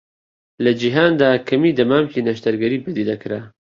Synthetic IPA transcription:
lɐd͡ʒiɦaːnd̪aːkʰɐmid̪ɐmaːmkinɐʃt̪ɐɾɡɐɾiːbəd̪id̪ɐkɾa

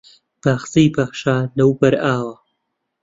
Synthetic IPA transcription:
b̥aːxzijbaːʃaːlɐwbɐɾaːwɐ

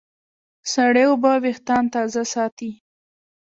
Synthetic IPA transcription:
saɽewobaweht̪ɑnt̪ɑzasɑt̪i

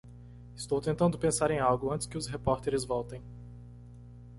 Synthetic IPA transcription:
ɪst̪owt̪ẽnt̪ɐ̃nd̪ʊpẽsaɾẽj̃awɡʊɐ̃nt̪ɪ̥skɪʊsɦepɔɾt̪eɾɪzvɔwt̪ẽj̃

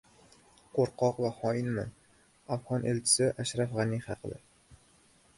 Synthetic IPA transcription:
qʰoɾqɒqvahɒɪnma̰n | afʁɒnʔelt͡ʃʰɪ̥sɪʔaʃɾafʁɑniχɑqʰɨd̪a̰

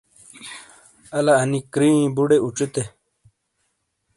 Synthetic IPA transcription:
ɐlaɐnikɾĩĩbuɽeuʈ͡ʂit̪e

